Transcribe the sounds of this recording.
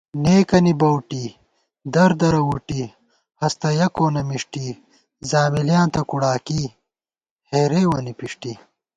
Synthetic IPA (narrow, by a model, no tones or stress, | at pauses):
neːkɐnibɐwʈi | d̪ɐɾd̪ɐɾɐwuʈi | hɐst̪ɐjɐkoːnɐmiʂʈi | zaːmiljaːnt̪ɐkuɽaːki | heːɾeːwɐnipiʂʈi